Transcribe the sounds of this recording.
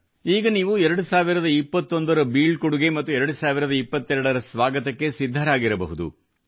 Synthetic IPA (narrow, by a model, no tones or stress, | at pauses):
iːɡɐniːʋuɛɾɐɽusaːʋiɾɐd̪ɐipːɐt̪ːond̪ɐɾɐbiːɭkuɽuɡe̞mɐt̪ːuɛɾɐɽusaːʋiɾɐd̪ɐipːɐt̪ːɛɾɐɽɐɾɐsʋaːɡɐt̪ɐkːe̞sid̪ʱːɐɾaːɡiɾɐbɐ̰ɦud̪ṵ